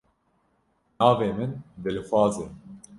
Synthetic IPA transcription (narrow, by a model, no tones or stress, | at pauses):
nɑːveːmɨnd̪ɨlxʷɑːze